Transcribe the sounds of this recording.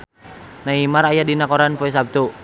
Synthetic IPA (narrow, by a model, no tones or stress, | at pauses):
naimaɾajadinakoɾanpɔɛs̬ab̚t̪u